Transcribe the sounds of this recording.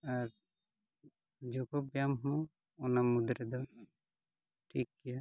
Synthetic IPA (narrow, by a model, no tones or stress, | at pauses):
aɾ | d͡ʒɔkɔbjamɦɔ̃ | ɔnamud̪ɾɛd̪ɔ | ʈʰikːija